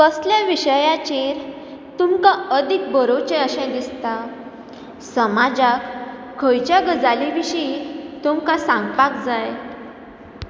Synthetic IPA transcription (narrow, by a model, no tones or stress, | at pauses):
kəsljaʋiɕəjãt͡ɕeɾ | t̪umkaəd̪ʱik̚bəɾot͡ɕẽəɕɛ̃ɡ̪ist̪a | səmad͡zak | kʰːəjt͡ɕjaɡəd͡zaliʋiɕit̪umkasãŋɡpakd͡zaj